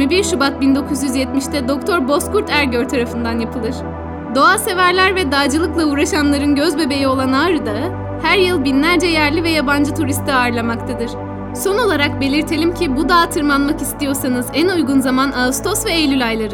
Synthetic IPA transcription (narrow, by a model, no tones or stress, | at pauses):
mibiɾʃubat̪̚bind̪o̞kʰuzjyzjɛt̪miʃt̪ʰɛd̪o̞k̚t̪ʰo̞ɾbo̞skʰuɾt̪ʰæɾɟøɾt̪ʰaɾafɯnd̪anjapʰɯlˠɯɾ̥ | d̪o̞aːse̞væɾlʲæɾvɛd̪aːd͡ʒɯlˠɯklˠauːɾaʃamlˠaɾɯnɟøzbe̞be̞jio̞lˠanaːɾɯd̪aɯ | hæɾjɯlˠbinlʲæɾd͡ʒɛjæɾlʲivɛjaband͡ʒɯt̪ʰuɾist̪ʰiaːɾlˠamakt̪ʰad̪ɯɾ̥ | so̞no̞lˠaɾak̚be̞lʲiɾt̪ʰe̞lʲimcʰibud̪aːt̪ʰɯɾmanmakist̪ijo̞ɾsanɯzænujɡunzamanaust̪ʰo̞svɛːjlʲylʲajlˠaɾɯ